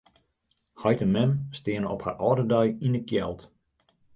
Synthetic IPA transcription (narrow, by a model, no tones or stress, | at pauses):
hɔjtəmɛmstɪənəɔpha̰rʔɔːdədœjinəkjɛ̰lˠt